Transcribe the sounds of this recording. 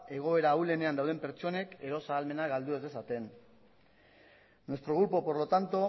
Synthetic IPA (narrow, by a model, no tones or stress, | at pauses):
e̞ɣ̞o̞e̞ɾaule̞ne̞and̪awðe̞mpe̞ɾt͡ʃo̞ne̞ke̞ɾo̞saːlme̞naɣald̪ue̞ze̞sat̪e̞n | oest̪ɾo̞ɣɾupo̞po̞ɾlo̞t̪ant̪o̞